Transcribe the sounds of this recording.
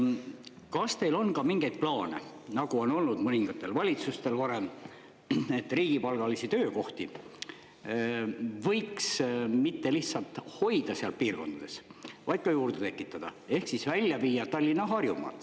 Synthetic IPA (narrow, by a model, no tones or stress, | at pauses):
kɑst̪e̞jlo̞nkɑmiŋɡe̞jd̪̚plɑːne̞̰ | nɑɡuo̞no̞lnud̪mɤniŋɡ̥ɑt̪ːe̞lvɑlʲit̪sust̪e̞lvɑɾe̞m | e̞t̪ːˑriːɡ̥ipɑlɡ̥ɑlisit̪øːko̞ht̪i | vɤ̞jksmit̪ːe̞liht̪sɑlt̪ho̞jd̪̥ɑseɑlpiːrko̞nd̪̥ɑd̪̥e̞svɑjd̪̥̚kɑjuːɾd̪̥e̞t̪e̞kːˑit̪ːˑɑd̪̥ɑ̰e̞hksisvælʲːjɑviːjɑt̪ɑlʲːinɑɦɑrjumɑ̰t̪ːˑ